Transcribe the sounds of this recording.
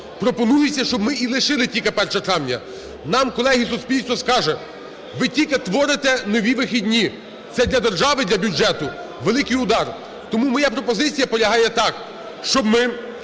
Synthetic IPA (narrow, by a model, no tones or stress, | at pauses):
pɾɔpɔnujɪt͡sʲːɐʃt͡ʃɔbmɪilˠɪʃɪlˠɪtʲilʲkepɛrʃɐt̪ɾɑʋnʲɐ̰ | nɑmkɔlˠɛɦisʊspʲilʲst̪ʋɔskɑʒɛ | ʋɪtʲilʲket̪ʋɔɾɪt̪ɛnɔʋʲiʋɪxʲidʲnʲi | t̪sɛd̪lʲɐd̪erʒɑʋɪd̪lʲɐbʲud͡ʒɛt̪ʊ | ʋelˠɪkɪjʊd̪ɑr | t̪ɔmumɔjapɾɔpɔzɪt͡sʲijɐpɔlʲɐɦɑjɛt̪ɑk | ʃt͡ʃɔbmɪ